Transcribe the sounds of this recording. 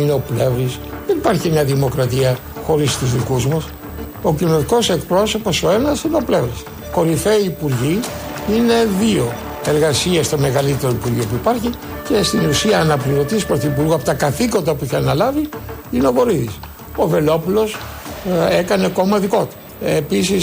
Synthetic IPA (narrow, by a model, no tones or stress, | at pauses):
ineo̞ple̞vɾis | ðenipɐɾçiemɲɐðimo̞kɾɐt̪iɐ | xo̞ɾist̪uzðikuzmɐs | o̞cino̞t̪iko̞se̞kpɾo̞so̞po̞so̞e̞nɐsineople̞vɾis | ko̞ɾifeiːpuɾʝiine̞ðio̞ | e̞ɾɣɐsiɐst̪o̞me̞ɣɐlit̪e̞ɾoipuɾʝiopuipɐɾçi | ce̞st̪inusiɐːnɐpliot̪ispɾoθiipuɾɣuɐpot̪ɐkɐθiko̞nd̪ɐpuiçeɐnɐlɐviineo̞ɣo̞ɾiðis | o̞ve̞lo̞pulo̞s | e̞kɐneko̞mɐðiko̞t̪e | episis